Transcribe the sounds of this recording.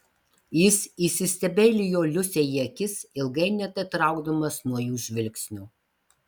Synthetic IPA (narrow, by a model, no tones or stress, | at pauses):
jɪsisʲɪsʲt̪ʲɛbʲɛːlʲɪjoːlʲʊsʲejiɛkʲɪsɪlˠɡɐɪnʲɛt̪ɐt̪ɾɐˑʊɡd̪ɐmɐsnuɔjuːʒʲʋʲɪlʲkʲsʲnʲuː